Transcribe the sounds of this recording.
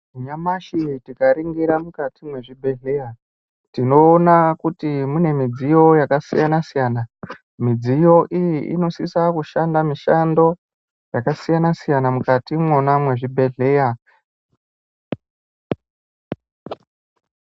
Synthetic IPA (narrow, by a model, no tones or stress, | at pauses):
ɲamaʃitikaɾiŋɡiɾamukatimwe̞ʐibʱe̞ɮe̞ja | tino̞ːnakutimune̞mid͡zijo̞jakasijanasijaːna | mid͡zijo̞ʔijiḭno̞sisakuʃandamiʃando̞ | jakasijanasijanamukatimwo̞namwe̞ʐibʱe̞ɮe̞ːja